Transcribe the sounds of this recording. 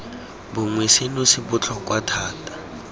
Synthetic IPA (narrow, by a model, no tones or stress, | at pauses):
bʊŋwesɪnʊsɪbʊt͡ɬʰɔkʼwatʰaːtʼḁ